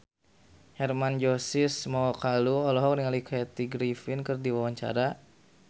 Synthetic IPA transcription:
hɛrmand͡ʒosɪsmaɔkaluɔlɔɦɔk̚niŋalikʰɛt̪iɡɾifinkɨrdiwawaɲt͡ʃa̰ɾa

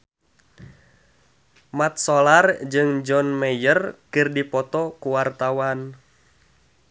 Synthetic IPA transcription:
mat̪̚sɔlard͡ʒɨŋd͡ʒɔnmɛjərkɨrdipɔt̪ɔkuwart̪awan

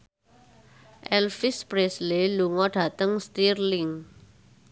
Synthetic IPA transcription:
ʔɛlfispɾɛsleluŋɔɖ̥ʱat̪əŋst̪irliŋ

